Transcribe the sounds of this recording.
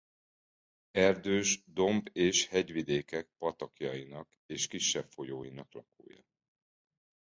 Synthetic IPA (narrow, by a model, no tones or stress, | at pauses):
ɛrd̪øːʒd̪o̞mbeːʃhɛɟvid̪eːkɛk̚pɒt̪ɒkjɒinɒk | eːʃkiʃːɛpfo̞joːjinɒklɒko̰ːjɒ̰